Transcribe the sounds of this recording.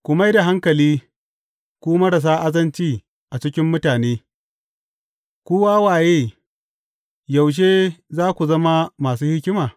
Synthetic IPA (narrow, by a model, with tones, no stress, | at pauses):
kʷʊ˨ma˦jda˨ɦa˦ŋkɐ˨liː˦ | kʷuː˦mɐ˦ɽɐ˨s̬aː˦ʔa˦zɐ˦nt͡ʃiː˦ | ʔa˨t͡ʃɪ˦kʲɪ˦mːʊ˦taː˨neː˦ | kʷoː˦waː˦waː˨jeː˦ | ja˨wʃ̬eː˦zaː˦kʷu˨zɐ˦ma˦maː˨s̬uː˦hɪ˦kʲɪ˦maː˨